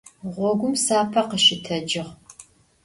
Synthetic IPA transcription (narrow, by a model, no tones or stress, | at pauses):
ʁʷɔɡʷʊmsaːpʰɐqəʃɪtʰɐd͡ʒɪʁ